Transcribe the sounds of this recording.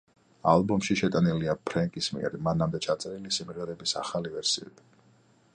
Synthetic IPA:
a̰lˠbumʃiʃɛt̪ʼaniliapʰɾɛŋkʼismḭɛ̰ɾmanamd̪ɛt͡ʃʰat̪sʼɛɾilisimʁɛɾɛbisa̰χalivɛɾsḭɛ̰d̪̥i

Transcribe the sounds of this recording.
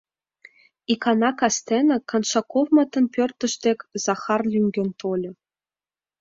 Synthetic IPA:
ikɑnɑkɑst̪enɘ̆kɑnʃɑkovmɑt̪ɤ̆npʲørt̪ə̆ʃt̪ekʲz̥ɑxɑrlʲyŋʲɡʲɘ̆nt̪ʰolʲɤ̆

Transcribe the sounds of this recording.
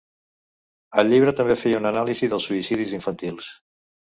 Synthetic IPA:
əlʎiβ̞ɾət̪əmbefejəunənaliziðəlˠsuisiðiziɱfənt̪ilˠs

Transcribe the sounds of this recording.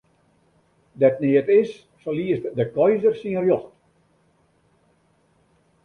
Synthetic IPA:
dɛtneətɪs | soliəstdəkɔjzərsinərjɔxt

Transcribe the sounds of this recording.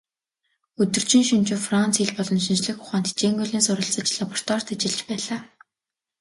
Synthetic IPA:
ɵt̪ɵ̆r̥t͡ɕĭnʃint͡ɕʊːfrant͡siɮpɔɮɞ̆nʃint͡ɕɮɘ̆xʊχaːnt̪ʰit͡ɕeːŋɡuɮiːnsʊɾə̆ɬt͡sə̆t͡ɕɮapɔr̥t̪ɔr̥t̪at͡ɕɪ̆ɮt͡ɕpæːɮaː

